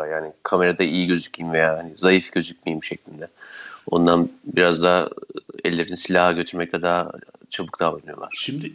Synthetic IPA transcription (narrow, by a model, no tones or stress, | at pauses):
jaːnikʰame̞ɾad̪aijiɟø̞zyc̚mijimve̞jaːɦanizajifɟø̞zycʲmijimʃɛclʲind̪ɛo̞̰nd̪anbiɾazd̪aɛ̰lʲːeɾinisilʲaɦaɟø̞t̪ʰyɾmɛc̚t̪ʰɛd̪aːt͡ʃʰabɯk̚d̪aːlanɯjo̞lˠa̰ɾ̥ʃimd̪ɪ